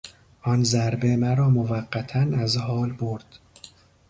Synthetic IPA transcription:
ʔɒnzæɾbemæɾɒːmovæɢːæt̪ʰænæzhɒːlboɾd̪̥

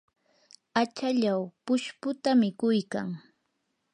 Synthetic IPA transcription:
at͡ʃaʎawpʊʃpʊt̪amɪkʊjka̰ŋ

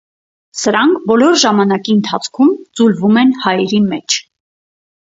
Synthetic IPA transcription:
səɾɑŋkʰbɔlɔɾʒɑmɑnɑkiənt̪ʰɑt͡sʰkʰumd͡zulvumɛnhɑjɛɾimɛt͡ʃʰ

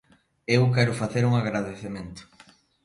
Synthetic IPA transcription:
ewkɛɾʊfaθeɾuŋaɣɾaðeθemẽnt̪ʊ̥

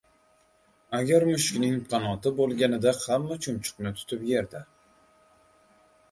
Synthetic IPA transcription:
aɡʲaɾmʊʃkʲnɪŋqʰɑnɒt̪ɪbolˠɡʲanɪd̪ahamːat͡ʃʰʊmt͡ʃʰʊ̥qnɪt̪ʰʊ̥t̪ʰɪpje̞ɾd̪a

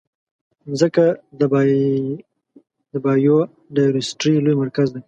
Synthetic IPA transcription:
zəkad̪əb | d̪əbɑjo | ɖaɾɪsʈɾilojmaɾkazd̪ej

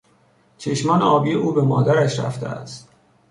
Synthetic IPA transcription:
t͡ʃʰeʃmɒːnɒːbijeʔuːbemɒ̰ːd̪æɾæʃɾæ̰ft̪ʰḛæ̰st̪

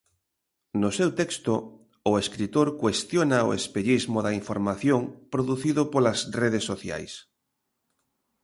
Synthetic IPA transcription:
nʊsewt̪ɛkst̪oː | eskɾit̪oɾkwest̪jonao̰ḛspeʎizmoðɐiɱfoɾmaθjoŋpɾoðuθiðʊpolɐsreð̞esːoθja̰js

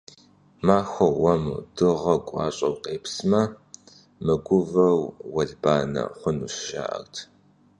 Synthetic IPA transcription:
maːxʷɐːɐmṵd̥ɨʁɐkʷʼɑ̰ːɕʼɐwqʼeːpsmɐ | mɨɡʷʊvɐwwɐɮbaːnɐ̰χʷʊnuːʃʒa̰ːʔɐ̰rtʰ

